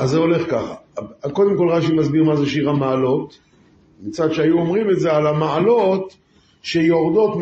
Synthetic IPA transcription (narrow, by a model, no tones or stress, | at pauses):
azːeo̞le̞χkaχako̞d̪e̞mko̞lʁaʃimazbiʁmazeʃiʁamaːlo̞t̪ | mit͡sad̪ʃeajuomʁime̞tzealamaalo̞t̪ | ʃejoʁd̪o̞t̪m